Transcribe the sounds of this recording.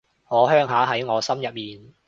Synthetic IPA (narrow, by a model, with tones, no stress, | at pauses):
ŋɔː˨˧ɦœː˥ŋɦaː˨˥ɦɐ˨˥jŋɔː˨˧sɐ˥mjɐ˨t̚miː˨n